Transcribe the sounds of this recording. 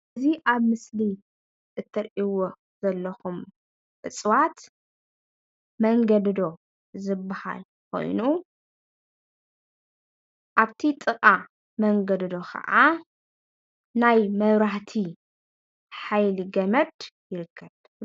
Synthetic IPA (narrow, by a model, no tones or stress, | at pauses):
ziʔaβmɨsli | ʔɨt̪ʰːɨɾʔiwo | zɐlːɐxum | ʔɨt͡sʼwat̪ | mɐŋɡɐd̪d̪o̞ | zɨbːaha̰l | kʰo̞̰jnu | ʔaβt̪ʰit̪ʼɨkʼa | mɐŋɡɐd̪d̪o̞kʰɐ̰ʔa | najmɐβɾaħt̪ʰi | ħajliɡɐmɐd̪jɪɾɨkʰːɐβ